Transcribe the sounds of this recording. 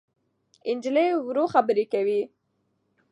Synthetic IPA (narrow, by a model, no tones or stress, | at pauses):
ɪnd͡ʒlejwɾoxabəɾekawi